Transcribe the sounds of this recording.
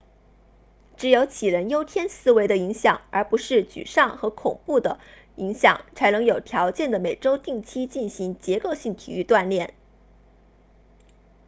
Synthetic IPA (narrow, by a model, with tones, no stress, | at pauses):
ʈ͡ʂɻ̩˧˥jo˧˥ʊt͡ɕʰi˨˩ɻə˧˥njo˥ʊt̪ʰjɛ˥nsɹ̩˥˧we˧˥ɪd̪ə˧i˧˥ŋɕjɑ˨˩ŋə˞˧˥pu˧˥ʂɻ̩˥˩t͡ɕy̰˨˩ʂɑ˥˩ŋxɤ˧˥kʰʊ̰˨˩ŋpu˥˩d̪ə˩ | i˧˥ŋɕjɑ˨˩˦ŋt͡sʰa˧˥ɪnɤ˧˥ŋjo˨˩ʊt̪ʰjɑ˧˥ʊt͡ɕjɛ˥˩nd̪ə˩me˨˩ɪʈ͡ʂo˥ʊt̪i˥˩ŋt͡ɕʰi˥t͡ɕi˥˩nɕi˧˥ŋt͡ɕjɛ˧˥ko˥˧ʊɕi˥˩ŋt̪ʰḭ˨˩y˥˧t̪wa˥˧nljɛ˥˩n